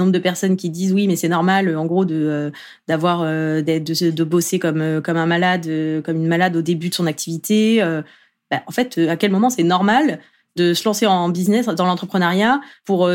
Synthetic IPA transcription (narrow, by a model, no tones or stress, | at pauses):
ɔ̃bʁəd̪əpɛʁsɔnkʲid̪izwimɛsɛnɔʁmaløɑ̃ɡʁod̪əø | d̪̥avwaʁød̪ɛd̪əsəd̪əbɔsekɔmøkɔmɛ̃malad̪økɔmynmalad̪od̪ebyd̪ə̥sɔ̃nak̚t̪ʰivit̪eø | b̥aʔɑ̃fɛt̪ʰøakʲɛlmɔmɑ̃sɛnɔʁmal | d̪əsəlɑ̃seɑ̃biznɛsd̪ɑ̃lɑ̃t̪χəpχənaʁjapuʁø